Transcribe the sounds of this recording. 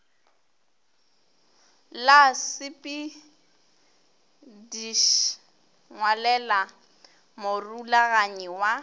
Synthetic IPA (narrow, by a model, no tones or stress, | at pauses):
lasɪpʼi | diʃ | ŋwalɛla | morulaɣaɲɛwa